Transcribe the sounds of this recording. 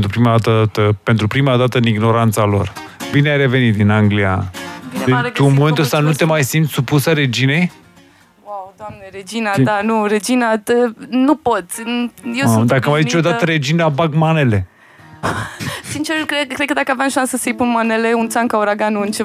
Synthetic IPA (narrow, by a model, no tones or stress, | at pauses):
nt̪ɾupɾimad̪at̪ət̪əpe̞nt̪ɾupɾimad̪at̪əɨniɡno̞ɾant̪salo̞̰r | bineajɾe̞ve̞nit̪̚d̪inaŋɡlia̰ | et̪uunmome̞nt̪uəst̪anut̪e̞majsimt̪sʲsupusəɾe̞d͡ʒine̞j | wawd̪wamneɾed͡ʒinad̪anuɾed͡ʒinat̪ənupo̞t̪sʲjewd̪akəmajzit͡ʃo̞d̪at̪əɾe̞d͡ʒinabaɡmane̞le̞ | sint͡ʃerkekɾed̪kəd̪akəavjamʃansəsəjpunmane̞leunt̪saŋkauɾaɡanuɨnt͡ʃe